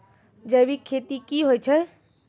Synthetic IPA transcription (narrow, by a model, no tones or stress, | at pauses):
d͡ʒəbʱikʰet̪ikiɦojt͡ʃʰə